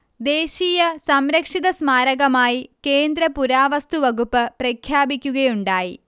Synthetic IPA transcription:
d̪e̞ːɕiːjɐsɐmɾɐkʂiðɐsmaːɾɐɣɐmaːjike̞ːnd̪ɾɐpuɾaːʋɐst̪uʋɐɣupːɨprɐkʰjaːbikʲːuɣɐjuɳɖaːji

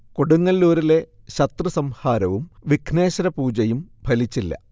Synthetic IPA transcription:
koɽuŋːɐlːuːɾile̞ | ɕɐt̪rɨsɐmhaːɾɐʋumʋikʰne̞ːɕɐɾɐpuːd͡ʑɐjumbʱɐlit͡ɕːilːɐ̰

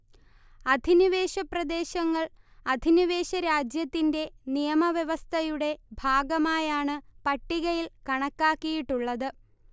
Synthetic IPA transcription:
ɐd̪ʱiniʋe̞ːɕɐprɐd̪e̞ːɕɐŋːɐɭ | ɐd̪ʱiniʋe̞ːɕɐɾaːd͡ʑjɐt̪ːinde̞nijɐmɐʋjɐʋɐst̪ʰɐjuɽe̞bʱaːɡɐmaːjaːɳɨpɐʈːiɣɐjilkɐɳɐkːaːkːijiʈːuɭːɐðɨ

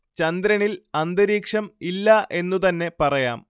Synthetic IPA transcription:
t͡ɕɐnd̪ɾɐnilɐnd̪ɨɾiːkʂɐmilːɐʔe̞nːut̪ɐnːe̞pɐrɐja̰ːm

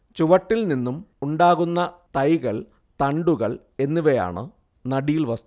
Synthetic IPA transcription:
t͡ɕuʋɐʈːilninːumuɳɖaːɣunːɐt̪ɐjɣɐɭ | t̪ɐɳɖuɣɐɭ | e̞nːuʋɐja̰ːɳɨ̰ | nɐɽijilʋɐst̪

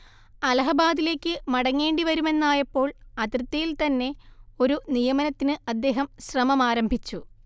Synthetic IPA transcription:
ɐlɐɦɐbaːd̪ile̞ːkʲːɨmɐɽɐŋːe̞ːɳɖiʋɐɾume̞nːaːjepːo̞ːɭɐt̪rɨt̪ːɐjilt̪ɐnːe̞o̞ɾunijɐmɐnɐt̪ːinɨɐd̪ːe̞ːɦɐmɕrɐmɐmaːɾɐmbʱit͡ɕːu

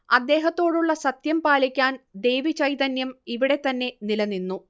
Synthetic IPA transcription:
ɐd̪ːe̞ːɦɐt̪ːo̞ːɽuɭːɐsɐt̪jɐmpaːlikʲːaːnd̪e̞jʋit͡ɕɐjt̪ɐnjɐmiʋiɽe̞t̪ːɐnːe̞nilɐnːinːu

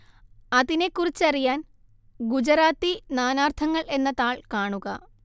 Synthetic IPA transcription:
ɐðine̞kːurit͡ɕːɐrijaːn | ɡud͡ʑɐɾaːt̪ːinaːnaːrt̪ʰɐŋːɐɭe̞nːɐðaːɭkaːɳuɣɐ

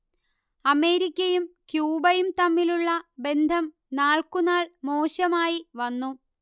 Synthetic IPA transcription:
ɐmeːɾikʲːɐjumkjuːbɐjumt̪ɐmːiluɭːɐbe̞nd̪ʱɐm | naːɭkunaːɭmo̞ːɕɐmaːjiʋɐnːu

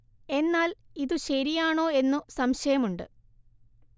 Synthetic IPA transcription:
e̞nːaːliðuɕɐɾijaːɳo̞ːe̞nːusɐmɕɐjɐmuɳɖɨ̰

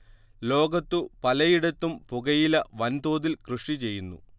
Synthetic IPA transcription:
lo̞ːɡɐt̪ːupɐlɐjiɽɐt̪ːumpuɣɐjilɐʋɐnd̪oːðilkrɨʂʈit͡ɕe̞jːunːṵ

